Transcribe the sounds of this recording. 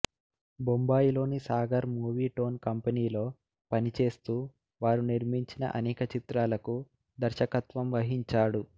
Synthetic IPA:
bombaːjilo̞ːnisaːɡɐɾmuːʋiːʈo̞ːnkɐmpɐniːlo̞ː | pɐnit͡ʃe̞ːst̪uː | ʋaːɾuniɾmiɲt͡ʃinɐ̰ʔɐnɛːkɐt͡ʃit̪ɾaːlɐku | d̪ɐɾʃɐkɐt̪ʋɐmʋɐɦiɲt͡ʃaːɽu

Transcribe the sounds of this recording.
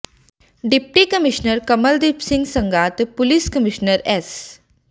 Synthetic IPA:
ɖip̚ʈikəmiɕnəɾkəməld̪ipsiŋɡsəŋɡat̪puliːskəmiɕnəɾɛs

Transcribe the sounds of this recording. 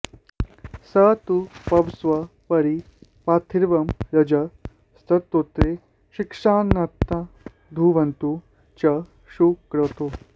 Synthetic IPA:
sɐt̪upɐʋsʋɐ | pɐɾi | paːt̪ʰiɾʋɐmɾɐd͡ʒɐ | st̪ʰɐt̪ːoːt̪ɾe | ɕikʂaːnːɐt̪ɐ | d̪ʱuʋɐnt̪u | t͡ʃɐ | ʃukɾɐt̪oː

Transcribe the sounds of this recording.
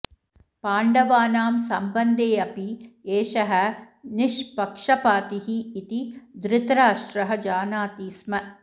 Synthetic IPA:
paːɳɖɐʋaːnaːmsɐmbɐnd̪eːɐpieːʃɐɦɐ̆ | nɪʃpɐkʂɐpaːt̪iɦiːt̪id̪ɾɪt̪ɾaːʃɾɐɦɐ̆d͡ʒaːnaːt̪iːsmɐ

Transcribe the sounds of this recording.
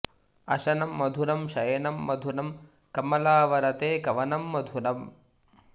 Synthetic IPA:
ɐʃɐnɐmːɐd̪ʱunɐmʃɐjɐnɐmːɐd̪ʱunɐm | kɐmɐlaːʋɐɾɐt̪eːkɐʋɐnɐmːɐd̪ʱunɐm

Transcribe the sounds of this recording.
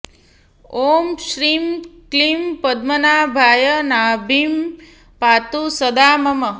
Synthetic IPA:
oːmʃɾimklimpəd̪̚mənabʱaːjənabʱim | pat̪usəd̪aːməmə

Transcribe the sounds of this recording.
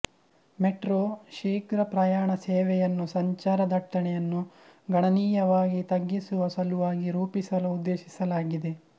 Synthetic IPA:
meʈɾoːʃiːkɾɐpɾɐjaːɳɐseːʋɛjɐnːusɐɲt͡ʃaːɾɐd̪ʱɐʈːɐɳɛjɐnːu | ɡɐɳɐniːjɐʋaːɡit̪ɐɡːisuʋɐsɐluʋaːɡiɾuːpisɐluud̪ːe̞ːʃisɐlaːɡid̪e

